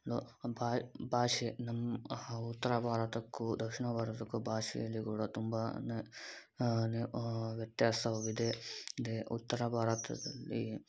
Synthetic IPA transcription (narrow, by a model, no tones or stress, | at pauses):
lobabʱaːʂenɐmːut̪ːɐɾabʱaːɾɐt̪ɐkːud̪ɐkʂiɳɐbʱaːɾɐt̪ɐkːubʱaːʂɛ̰jɐlːiɡuːɽɐt̪umbɐne | neʋjɐt̪jaːsʰɐʋɐʋid̪ed̪eṵt̪ːɐɾaːbʱaːɾɐt̪ɐ̰d̪ɐlːi